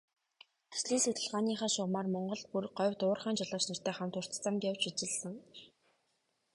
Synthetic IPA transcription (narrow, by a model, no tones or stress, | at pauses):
e̥sɮiːset̪ɘ̆ɮʁaːniːχaːʃʊʁmaːrmɔɴɢɞ̆ɮt̪̚purɢɔwʲt̪ʊːrχaːnt͡ɕaɮə̆ːwt͡ɕnɵr̥t̪eːχamt̪ʊr̥t̪t͡sămt̪jawt͡ɕit͡ɕɪ̆ɮsə̆ŋ